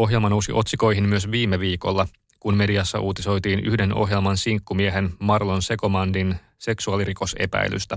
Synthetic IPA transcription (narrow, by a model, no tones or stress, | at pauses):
o̞ɦje̞lmɑno̞wsiʔo̞t̪siko̞jɦimmyøsʋiːmːeʋiːko̞̰lːɑ | kunme̞diɑsːɑ̰ʔuːt̪iso̞jt̪iːny̰hde̞no̰ɦje̞lmɑnsiŋkːumieɦenmɑrlonse̞ko̞mɑndin | se̞ksuɑliriko̞se̞̰pæ̰jly̰st̪æ